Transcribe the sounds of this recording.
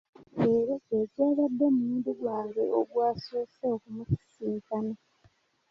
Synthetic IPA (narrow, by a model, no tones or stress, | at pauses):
eɾeeɟaːɣadːe̞mumuːnduɡwaːŋɡe̞oɡwaːsoːseokumuku̥siːŋkana